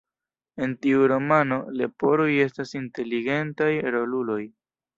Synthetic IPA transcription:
e̞ntiuɾo̞mano̞lepo̞ɾo̞je̞stasinte̞liɡe̞ntajeɾolulo̞j

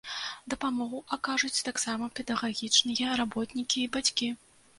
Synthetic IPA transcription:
d̪ɐpamɔɣuʔakaʐut͡sʲt̪aksamɐpʲɛd̪ɐɣaɣʲit͡ʂnɨjɐrabɔt̪nʲikʲiːbat͡sʲkʲi

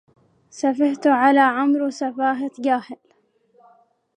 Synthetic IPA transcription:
safɪht̪ʕalaːʕamɾsafaːɦat̪d͡ʒaːhɪl

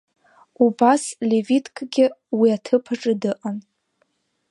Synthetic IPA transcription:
ubaslevitʰkʰʼɡʲɪwiatʰɨpʰaʈ͡ʂʼɨdɨʔʼan

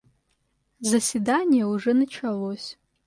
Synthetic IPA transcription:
zɐsvidanʲijɐuʐɨnɨt͡ʃʰɐlosʲ

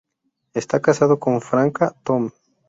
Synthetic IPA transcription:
est̪akasaðokoɱfɾaŋkat̪om

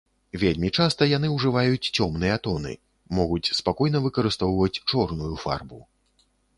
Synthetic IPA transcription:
vʲelʲmʲit͡ʂast̪ɐjan̪ɨwʐɨvajut͡sʲt͡sʲɔmnɨjɛt̪ɔnɨ̰ | mɔɣut͡sʲspakɔjn̪ɐvɨkɐɾɨst̪ɔwvɐt͡sʲt͡ʂɔrnujufa̰rbu

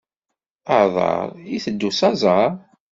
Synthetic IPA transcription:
əʕðˤɑ̰ɾˤiθəd̪ːusɑzˤɑɾˤ

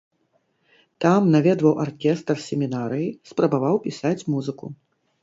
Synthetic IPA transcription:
t̪amnavʲɛd̪vɐwʔarkʲɛst̪rsʲɛmʲinaɾɨjispɾɐbavawpʲisat͡sʲmuzɨkṵ

